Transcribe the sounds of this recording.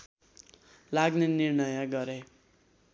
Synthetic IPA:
laɡnenirnʌjʌɡʌɾe

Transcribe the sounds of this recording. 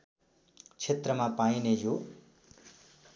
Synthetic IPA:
t͡sʰet̪rʌmapainejo

